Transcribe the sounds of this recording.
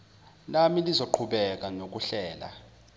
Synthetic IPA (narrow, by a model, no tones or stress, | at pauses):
namilizoǃʰuɓɛk̬anok̬uɬɛːla̰